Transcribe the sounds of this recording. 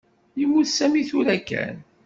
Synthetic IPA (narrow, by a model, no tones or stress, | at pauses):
jimːuθsæmiθʊɾækæ̰n